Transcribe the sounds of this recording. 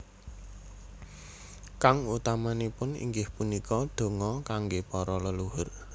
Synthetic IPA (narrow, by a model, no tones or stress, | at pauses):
kaŋut̪amanipʊnḭŋɡɪhpunikɔd̪̥o̤ŋɔkaŋɡepɔɾɔləluɦʊr